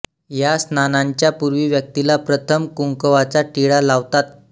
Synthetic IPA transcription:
jasnanaɲt͡ɕjapuɾʋiːʋjək̚t̪ilapɾət̪ʰəmkuŋkəʋat͡saʈiɽalaʋt̪at̪̚

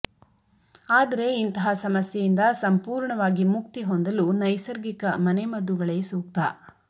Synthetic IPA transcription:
aːd̪ɐɾe̞int̪ɐɦɐsɐmɐsjejind̪ɐsɐmpuːɾɳɐʋaːɡimuk̚t̪iɦond̪ɐlunɐjsɐɾɡikɐmɐnemɐd̪uɡɐɭeːsuːk̚t̪a

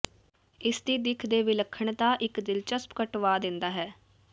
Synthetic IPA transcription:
ɪst̪id̪ɪkʰd̪eːʋɪləkʰːəɳt̪aːʔɪkd̪ɪlt͡ʃəspkəʈʋaːd̪ɪ̃nd̪aːɦɛː

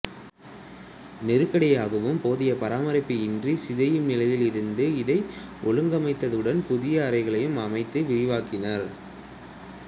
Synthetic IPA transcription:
nɪɾɯkːɐɽɪjaːɣɐʋɯmpoːðɪjɐpɐɾaːmɐɾɪpːɯɪndrisɪðɐjɯmnɪlɐjɪlɪɾɯnd̪ɯɪðɐɪʔɔɭɯŋɡɐmɐɪt̪ːɐðɯɽɐnpʊðɪjɐːɾɐɪɣɐɭɐjɯmɐmɐɪt̪ːɯʋɪɾɪʋaːkɪnɐɾ

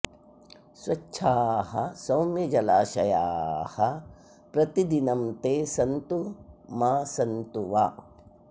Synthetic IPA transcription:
sʋɐʃʰaːɦɐ̰sɐwmjɐd͡ʒɐlaːʃɐjaːhɐ | pɾɐt̪id̪inɐmt̪eːsɐnt̪umaːsɐnt̪uʋaː

